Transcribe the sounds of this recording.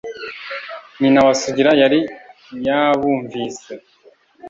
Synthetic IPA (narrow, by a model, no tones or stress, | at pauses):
ninawasuɟiɾajaɾi | jaβuːɱviːse